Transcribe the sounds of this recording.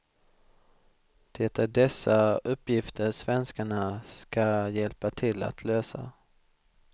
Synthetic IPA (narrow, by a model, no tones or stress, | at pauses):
d̪̥eːt̪avd̪ɛsːaɵpːjɪft̪ʰəɾʂvɛnskaɳaskajɛlpat̪ʰɪlːa̰t̪ʰløːsa̰